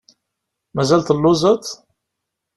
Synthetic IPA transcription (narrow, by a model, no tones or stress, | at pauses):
mæzælt̪əlːʊzət̪